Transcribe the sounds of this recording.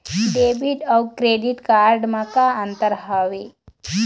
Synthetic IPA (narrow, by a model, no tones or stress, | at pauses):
ɖeːbiʈɔwkɾeːɖiʈkaːɾɖmakaɐnt̪əɾɦaʋe